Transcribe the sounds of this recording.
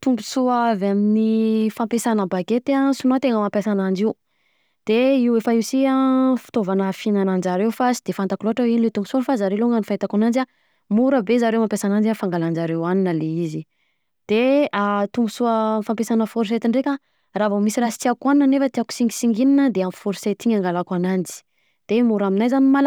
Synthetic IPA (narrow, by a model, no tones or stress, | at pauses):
t̪umbusuaavaminifampesanəbaɡet̪asunat̪eŋəmampjasanand͡ʒiw | d̪̥eiwefaisiafi̥t̪ovanəfinanand͡ʒaɾewfasid̪̥efant̪akuloɦaʈ͡ʂawinilet̪umpusunfazaɾeloŋanifajt̪akunand͡ʒa | muɾəbezaɾewmampʲjasanand͡ʒafaŋɡaland͡ʒaɾewaninəleizi | d̪̥eat̪umbusuəfampesanəfuɾset̪iɳɖ͡ʐekʲa | ravomisirasi̥t̪iakwaninanefət̪iaku̥siŋɡi̥siŋɡininəd̪eamfuɾiset̪iɲaŋɡalakwanand͡ʒi̥ | d̪̥emuɾaminajzanimal